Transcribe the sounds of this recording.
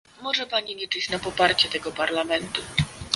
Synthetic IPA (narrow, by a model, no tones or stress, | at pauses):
mɔʐɛpaɲiɲɛt͡ʂɘɕnapɔpaɾt͡ɕɛt̪ɛɡɔpaɾlamɛnt̪u